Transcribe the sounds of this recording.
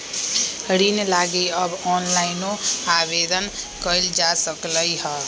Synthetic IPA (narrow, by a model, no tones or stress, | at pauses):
ɾinlaɡeəbɔnlaɪnoabed̪ənkəjld͡ʒasəkləjɦə